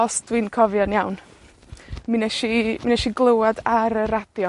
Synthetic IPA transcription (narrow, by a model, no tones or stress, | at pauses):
ɔsd̥winkʰɔvjɔnjawn | minɛʃiminɛʃiɡlˠəwadaɾəɾad̥jɔ